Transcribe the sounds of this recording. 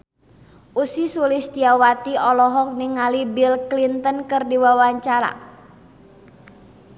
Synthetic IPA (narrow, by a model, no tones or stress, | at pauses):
ʔusisulist̪iawat̪iɔlɔɦɔk̚niŋalibilklint̪ənkɨrdiwawaɲt͡ʃaɾa̰